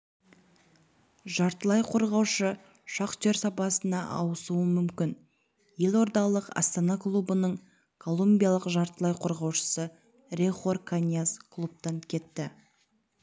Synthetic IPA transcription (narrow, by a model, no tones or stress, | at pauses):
ʒɑɾt̪əlˠɑjqʰo̞ɾʁɑwʃə | ʃɑqʒ̥eɾsɑpɑsənɑʔɑ̰wəsuəmʏmkʲɪn | je̞lʲo̞ɾd̪ɑlˠəqɑ̰st̪ɑnɑklˠubənəɴ | kʰo̞lˠumbʲijalˠəqʒɑɾt̪əlˠɑjqʰo̞ɾʁɑwʃə̥sə | rʲeχo̞rkʰanʲjaskʰlˠup̚t̪ɑŋkʲʰe̞t̪ːɪ